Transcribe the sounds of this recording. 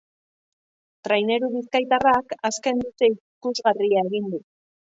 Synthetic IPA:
t̪ɾajne̞ɾuβiskajt̪arakaske̞nd̪ut̪e̞i | kuzɣariae̞ɣind̪u

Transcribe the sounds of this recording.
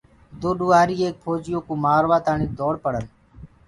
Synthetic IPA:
d̪oːɗuːaːɾiːeːk̚pʰoːd͡ʒɪjoːkoːmaːɾʋaːt̪aːɳiːd̪oːɽpəɽən

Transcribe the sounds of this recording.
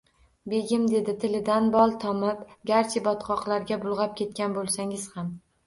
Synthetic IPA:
be̞ɡʲɪmd̪e̞d̪ɪt̪ʰɪlɪd̪anbɒlˠt̪ʰɒmɪpɡʲaɾt͡ʃʰɪbɒt̪qʰɒqlˠaɾɡʲabʊlˠʁɑp̚kʲʰe̞t̪̚kʲanbolˠsaŋɪz̥ham

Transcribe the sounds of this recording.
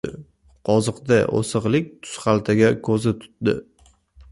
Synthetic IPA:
qʰɒzɨqd̪aʔo̰sɨʁlˠɪk̚ʲt̪ʰʊ̥sχalˠt̪ʰaɡʲakʰɵzɪt̪ʰʊ̥t̪̚d̪ɪ̰

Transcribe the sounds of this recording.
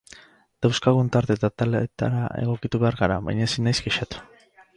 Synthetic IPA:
d̪̥awskaɣunt̪aɾt̪e̞t̪at̪alet̪a̰ɾa̰ʔe̞̰ɣ̞o̞kit̪uβe̞aɾɣaɾa̰βa̰jɲasinːajzɡeʃat̪u̥

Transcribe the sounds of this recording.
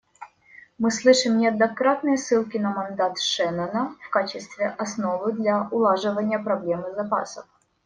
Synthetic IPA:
mɨslˠɨʂɨmnʲɪɐd̪nɐkɾat̪̚nɨjəsːɨlˠkʲɪnɐmɐnd̪at̪ʂɛnɐnəfkat͡ɕɪst̪vʲɪʔɐsnovɨd̪lʲɐʊlˠaʐɨvənʲɪjəpɾɐblʲe̞mɨzɐpa̰səf

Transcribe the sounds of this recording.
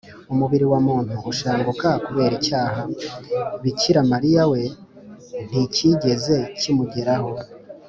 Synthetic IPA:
umuβiɾiwamuːn̥uʔuʃaːŋɡukakuβe̞ːɾicaːɦa | βiciɾamaɾijawe̞ | n̥iciɟe̞ze̞cimuɟe̞ɾaho̞

